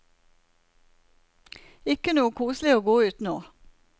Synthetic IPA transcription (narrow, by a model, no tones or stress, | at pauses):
ɪkənuːəkʰuːslɪoːɡoːʉːt̪noː